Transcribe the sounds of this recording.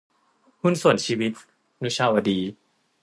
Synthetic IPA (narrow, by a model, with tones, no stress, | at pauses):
hu˥˩nsu˨˩ənt͡ɕʰiː˧wi˦˥t̪̚ | nu˦˥t͡ɕʰaː˧wa˧diː˧